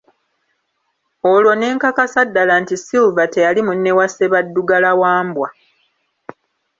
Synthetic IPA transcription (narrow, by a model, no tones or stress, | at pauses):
olwo̞ne̞ːŋkakasadːalantisilvate̞jalimunːe̞wase̞βadːuɡalawaːmbwa